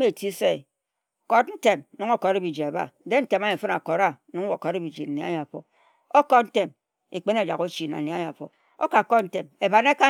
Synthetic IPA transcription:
me˦˨ti˦se˦˨ | ko˨tn̩˦te˨m˦nu˦ŋo˦ko˨ɾe˦bi˨d͡ʒi˨e˨ba̰˨˦de˦n̩˦te˨ma˦e˨fɨ˦na˨ko˨ɾa˦nu˨ŋ˦o˨ko˨ɾe˦bi˨d͡ʒi˨n̩˨ne˨˦a̰˦ja˨fo̰˨ | o˦ko˦tn̩˦te˨m | e˨k͡pe˦n˦e˨d͡ʒa˨ko˦t͡ʃi˨na̰˨ne˨a˦ja˨fo̰˨ | o̰˦ka˨kɔ˦n̩˦te˨me˨ba˨ne˦ka˦

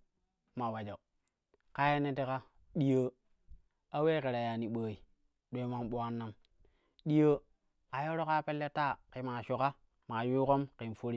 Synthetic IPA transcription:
ma˨wa˨d͡ʒo˨ | ka˦je˦ne˦te˦ka˦ | ɗi˦jə˦ | a˦we˦ke˨ɾa˨ja˨ni˨ɓaː˦i˨ | ɗo˦ma˦nɓo˦a˦nːa˦m | ɗi˦jo˦ | a˨jo˦ɾo˦ka˦pe˦lːe˦ta˦˨ki˨ma˨ʃo˨ka˦ | ma˨ju˦ko˦mki˨n˨fo˦ɾi˦

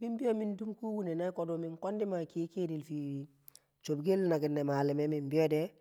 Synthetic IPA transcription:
bi˦mbi˦o˦mi˦ndu˦mku˦wu˦ne˨na˦ko˨do˨mi˨ŋko˦ndi˦ma˨ki˦ke˦di˨lfi˨ | t͡ʃo˨bɡe˦lna˨ɡi˨nːe˨ma˨li˨me˦mi˨mbi˦o˦dɛ

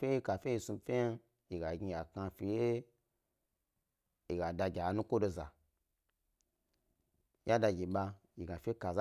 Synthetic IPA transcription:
fe˦i˦ka˨fʲe˦i˧˨su˧fʲe˦ja˦ | ji˨ɡa˨ɡʲi˧ja˨ka˧fi˨je˦ | i˨ɡa˨da˧ɡʲa˨nu˦kʷo˦do˧za̰˨ | ja˦da˧ɡʲi˨ɓa˧ | ji˨ɡa˨fʲe˦ka˨za˦

